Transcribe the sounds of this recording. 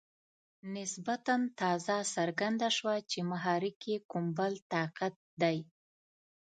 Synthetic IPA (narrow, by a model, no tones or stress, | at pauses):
nɪsbat̪ant̪ɑzasaɾɡand̪aʃwat͡ʃemaɦɑɾɪkekʊmbəlt̪ɑqat̪̚d̪aj